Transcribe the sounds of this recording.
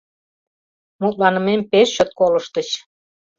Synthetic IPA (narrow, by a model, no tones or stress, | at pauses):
mut̪̚lɑnə̆mempeʃːøt̪̚koləʃt̪ət͡ɕ